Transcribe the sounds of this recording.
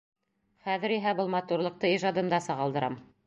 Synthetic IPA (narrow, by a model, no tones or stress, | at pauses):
χæðɘ̆ɾiɦæbɤlˠmɑt̪uɾlˠɤ̆q̚t̪ɤiʒɑd̪ɤ̆nd̪ɑsɑʁɑld̪ɤ̆ɾɑm